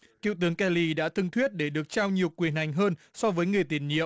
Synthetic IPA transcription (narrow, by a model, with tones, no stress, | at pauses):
kḭ˧˨wt̪ɨ˨˦əŋkɛ˧li˧ɗa̰ː˧˥t̪ʰɨ˧ŋt̪ʰwi˦˥ət̚ɗe˧˩ɗɨ˨˩ək̚t͡ɕaː˧wɲi˨˩əwkwi˨˩ənha˨˩jŋ̟ɦəː˧nsɔ˧vəː˨˦jŋɨ˨˩əjt̪i˧˩ənɲḭ˧˨əww